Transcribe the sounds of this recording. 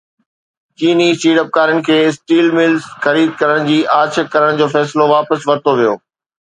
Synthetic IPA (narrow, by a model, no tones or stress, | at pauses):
t͡ɕiːnisiːɖəp̚kaːɾɪənɪ̆kʰeːɪsʈiːlmɪlzxɐɾiːd̪̚kɐɾəɽ̃d͡ʑiːʔaːt͡ɕʰəkːɐɾəɽ̃d͡ʑoːfɛːsɪloʋaːpəsʋɐɾt̪ʰoʋijoː